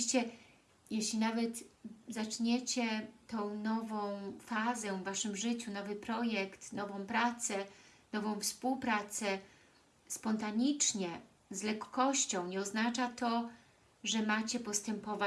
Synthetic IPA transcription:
ɕt͡ɕɛ | jɛɕlʲinavɛt̪zat͡ʂɲet͡ɕɛt̪ɔ̃w̃nɔvɔ̃w̃fazɛvːaʂɘmʐɘt͡ɕunɔvɘpɾɔjɛkt̪nɔvɔ̃w̃pɾat̪sɛnɔvɔ̃w̃fspuwpɾat̪sɛ | spɔnt̪aɲit͡ʂɲɛ | zlɛkːɔɕt͡ɕɔ̃w̃ɲɛɔznat͡ʂat̪ɔ | ʐɛmat͡ɕɛpɔst̪ɛmpɔva

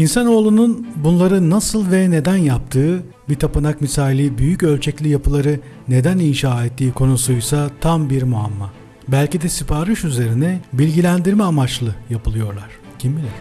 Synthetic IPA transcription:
insano̞ːlˠununbunlˠaɾɯnasɯlˠvɛne̞d̪ænjap̚t̪ʰɯː | bit̪ʰapɯnakmisaːlʲibyjycø̞lʲt͡ʃʰɛclʲijapʰɯlˠaɾɯ | ne̞d̪æninʃaːɛt̪ʰːiːkʰo̞nusujsat̪ʰambiɾmua̰mːa | bælʲcid̪ɛsipʰaɾɯʃyze̞ɾinɛbilʲɟilʲænd̪iɾmɛamat͡ʃlˠɯjapʰɯlˠɯjo̞ɾlˠaɾ̥ | cʰimbilʲɛ

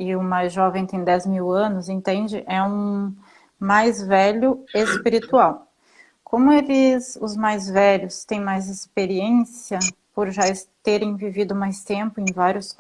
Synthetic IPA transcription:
ɪʊmajzʒɔvẽj̃t̪ẽj̃d̪ɛzmiwɐ̃nʊzẽnt̪ẽnd͡ʒɪʔɛũ | majzvɛʎʊespiɾit̪uaw | kʰõmʊelɪzʊzmajzvɛʎʊst̪ẽj̃majzespeɾiẽsiɐpoɾʒast̪eɾẽj̃vivid̪ʊmajst̪ẽmpʊẽj̃vaɾjʊs

